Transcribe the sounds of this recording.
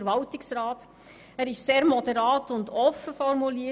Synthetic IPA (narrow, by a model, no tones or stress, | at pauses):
ɾʋɑltɪksrɑːt | æːɾɪʃseːɾmɔdəɾɑːtʊndɔfəfɔɾmuliːə